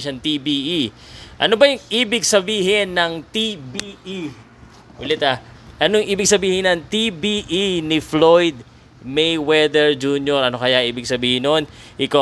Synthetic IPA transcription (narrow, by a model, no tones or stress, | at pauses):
ʃɐŋt̪ibiʔi | ʔɐ̰nobɐjʊŋʔiːbɪɡ̚sɐbiːɦɪnːɐŋt̪ibiʔi | ʔʊlɛt̪aʔɐnoŋʔiːbɪɡ̚sɐbiːhɪnɐnt̪ibiʔinɪflojd̪̚ | mɛjwɛd̪ɛɹd͡ʒunjoɾɐno̞kɐjaʔiːbɪɡ̚sɐbiːhɪnonʔɪka